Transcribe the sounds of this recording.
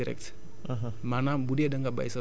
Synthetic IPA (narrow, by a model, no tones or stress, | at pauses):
iɾḛk̚t͡sʰ | ɦ | manabuɽeɖʌŋɡaba̰jsa